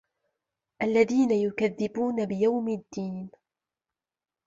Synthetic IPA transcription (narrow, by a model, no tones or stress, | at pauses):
ʔalːaðiːnajʊkaðːɪbuːnabɪjawmɪd̪ːiːn